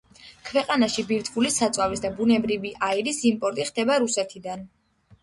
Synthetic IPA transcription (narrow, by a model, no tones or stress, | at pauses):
kʰvɛqʼanaʃibiɾt̪ʰvulisat̪sʼwavisd̪abunɛbɾiviʔaiɾisimpʼɔɾt̪ʼiχd̪ɛbaɾusɛt̪ʰid̪an